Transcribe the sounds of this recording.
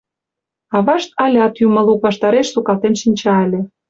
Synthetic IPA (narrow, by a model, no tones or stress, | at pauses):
ɑβɑʃt̪̚ɑlʲɑt̪jumə̆lukβɑʃt̪ɑɾeʃsukɑlt̪enʃinʲt͡ɕɑelʲĕ